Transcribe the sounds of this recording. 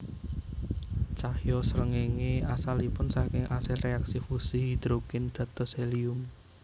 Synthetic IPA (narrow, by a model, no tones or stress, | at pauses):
t͡ʃahjɔsəɾəŋeŋeasalipʊnsakɪŋasɪlreaksifusiid̪̥ɾokɪnd̪̥ä̤t̪ɔseliʊm